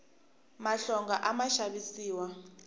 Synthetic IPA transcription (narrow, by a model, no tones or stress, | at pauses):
maɬɔŋɡaʔamaʃaɓisiːwa